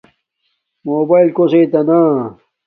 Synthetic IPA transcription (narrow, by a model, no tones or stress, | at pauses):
moːbailkoseit̪ɐna